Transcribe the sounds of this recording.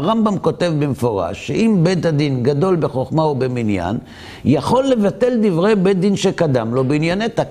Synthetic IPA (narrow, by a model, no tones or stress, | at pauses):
ʁambamko̞te̞vbemefo̞ʁa̰ʃːeʔimbe̞t̪ad̪inɡado̞lbe̞χo̞χmaobeminja̰n | jaχo̞lːe̞vat̪e̞ld̪ivʁe̞jbe̞t̚d̪inʃekad̪amlo̞beinjanet̪a